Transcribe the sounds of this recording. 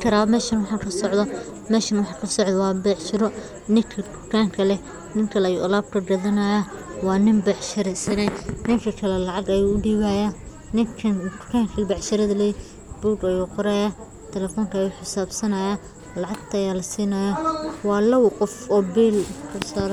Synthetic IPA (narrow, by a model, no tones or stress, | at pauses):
kʰɐɾaːmɛːʃɐnwɑħɑkʰɐsɔʕðɐ | mɛːʃɐnwɑħɑkʰɐsɔʕd̪ɐwɑːbɛːʕt͡ʃɪɾɔ | nɪŋkʰɐd̪ʊkʰaːŋkʰɐlɛ | nɪŋkʰɐlɛɐjṵʔʊlaːb̚kʰɐɖɐðɐnɐjɐwɑːnɪmbɑħʃɐɾɛsɐnɛnɪŋkʰɐkʰɐlɛlɑʕɑɡɐjuːʊɖiːβaːja | nɪŋkʰɐnkʊ̥kʰaːŋkʰɐlbɑʕʃɐɾɐðɐlɛj | b̥uːɡɐjuːqɔɾɐjɐ | t̪ʰɛlɛfɔːŋkʰɐːjuːħɪsaːbsɐnɐja | lɑʕɑɡt̪ʰɐjaːlɐsiːnɐjɐwɑːlɐwqɔfɔːbiːlkʰɐsaːɾ